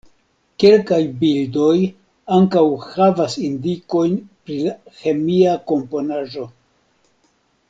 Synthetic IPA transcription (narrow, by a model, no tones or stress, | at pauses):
ke̞lkajbildo̞j | aŋkawhavasindiko̞jnpɾilaxe̞miako̞mpo̞naʒo̞